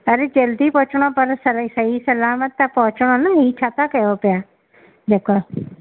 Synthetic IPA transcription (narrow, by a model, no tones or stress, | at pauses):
əɾed͡ʒəld̪ipɔɦt͡ʃɳ̃opəɾsəsəɦisəlaːmət̪ːapɔɦʊt͡ʃɽ̃onaɦiːt͡ʃʰaːt̪akəjopja | d̪eːka